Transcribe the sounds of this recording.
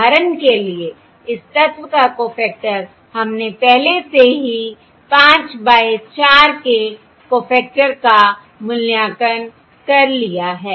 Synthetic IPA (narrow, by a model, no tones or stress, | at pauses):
aːɾənkelie | ɪst̪ət̪wəkakoːpʰɛːk̚ʈəɾ | hɐmnepɛɦleseɦi | pãːt͡ʃbaːet͡ʃaːɾke | koːpʰɛːk̚ʈəɾka | mʊljaːkən | kɐɾlijaɦɛː